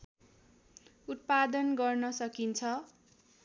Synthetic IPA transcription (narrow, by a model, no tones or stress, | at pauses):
ut̪̚pad̪ʌnɡʌrnʌsʌkint͡sʰʌ